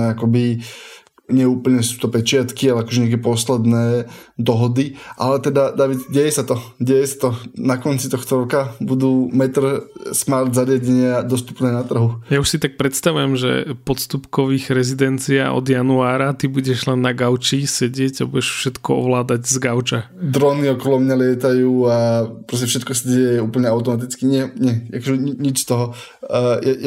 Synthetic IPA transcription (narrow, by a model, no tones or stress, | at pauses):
akɔbi | ɲɪɛuːpl̩ɲɛsu̥ːt̪ɔpɛt͡ʃɪat̪kialɛakɔʒɛɲɪakɛpɔslɛd̪nɛːd̪ɔɦɔd̪iʔalɛt̪ɛd̪ad̪aːʋit̪ɟɛjɛsat̪ɔɟɛjɛsḁt̪ɔnakɔnt͡sit̪ɔxt̪ɔɾɔkabud̪uːmɛt̪r̩smaɾd̪zaɾɪaɟɛɲɪad̪ɔst̪u̥pnɛːnat̪r̩ɦujauʃsit̪ak̚pɾɛt̪st̪aʋujɛmʒɛ̰pɔt̪st̪upkɔʋiːɣɾɛzid̪ɛnt͡sia̰ːʔɔ̰d̪januaːɾat̪ibuɟɛʒlɛnːaɡaʊt͡ʃisɛɟɪɛɟabuɟɛʃfʃɛt̪kɔɔ̰ʋlaːd̪aɟzɡaʊt͡ʃa | d̪ɾɔniɔkɔlɔmɲalɪɛt̪ajuːapɾɔs̬cɛfʃɛt̪kɔsaɟɛjɛuːpl̩ɲɛaʊt̪ɔmat̪̬it͡skiɲɪɛɲɪɛa̰kɔʒɛɲiɲit͡ʃst̪ɔɦɔ | ja